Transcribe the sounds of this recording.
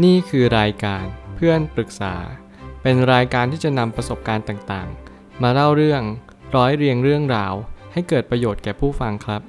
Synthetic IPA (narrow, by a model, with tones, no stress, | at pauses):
niː˥˩kʰɯː˧ɾaː˧jkaː˧npʰɯ˥˩ənpɾɯ˨˩k̚sa̰ː˩˦ | pe˧nɾaː˧jkaː˧nt̪iː˥˩t͡ɕa˨˩na˧mpɾa˧so˨˩p̚kaː˧nt̪aː˨˩ŋt̪aː˨˩ŋ | maː˧ɾa˥˩wɾɯ˥˩əŋ | ɾɔː˦˥jɾi˧əŋɾɯ˥˩əŋɾaː˧wha˥˩jkɤː˨˩t̪̚pɾa˧joː˨˩t̪̚kɛː˨˩pʰuː˥˩fa˧ŋkʰɾa˦˥p̚